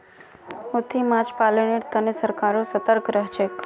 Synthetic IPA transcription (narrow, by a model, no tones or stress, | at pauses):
ot̪ʰimãd͡ʒpaləɳiɾt̪ənesəɾkaɾosət̪əɾkɾəɦt͡ʃʰek